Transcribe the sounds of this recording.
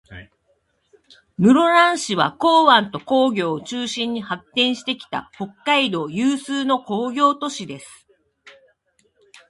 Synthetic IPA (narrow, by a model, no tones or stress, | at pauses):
mɯ̟ɾo̞ɾãɰ̃ɕiβako̞ːβãnt̪o̞ko̞ːɡʲo̞ːt͡ɕɨːɕĩɲ̟ːihakːẽ̞ɰ̃ɕi̥t̪e̞kʲi̥t̪a̰ho̞kːaid̪o̞ːjɯːsɨːno̞ko̞ːɡʲo̞ːt̪o̞ɕid̪e̞sɨ̥